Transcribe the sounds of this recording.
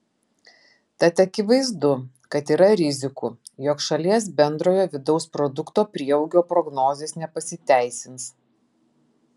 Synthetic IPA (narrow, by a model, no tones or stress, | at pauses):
t̪ɐt̪ɐkʲɪʋɐɪzd̪ʊ | kɐt̪iːɾɐɾʲɪzʲɪkuːjɔkʃɐlʲiɛs̬bʲɛnd̪ɾoːjoːʋʲɪd̪ɒʊspɾɔd̪ʊkt̪oːpʲɾʲiɛɐʊɡʲoːpɾɔɡnoːzʲeːsnʲɛpɐsʲɪt̪ʲæˑɪsʲɪns